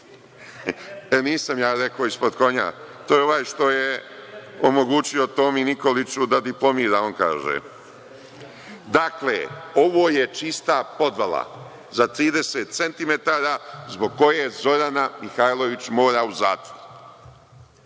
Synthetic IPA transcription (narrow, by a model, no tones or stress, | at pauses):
eniːsamjaːɾe̞koːispod̪ko̞ɲa̰ | t̪oːjeo̞ʋaːjʃt̪o̞je | omo̞ɡuːt͡ʃio̞t̪o̞ːminiko̞lit͡ʃud̪ad̪iplˠo̞miːɾaonka̰ːʒḛ | d̪aklḛːo̞ʋoːjet͡ʃist̪apo̞d̪ʋala̰ | zat̪ɾiːd̪e̞seːt̪se̞nt̪ime̞t̪aːɾaːzbo̞ɡ̚ko̞jeːzo̞ɾanamixajlˠo̞ʋit͡ɕmo̞ːɾauzaːt̪ʋoɾu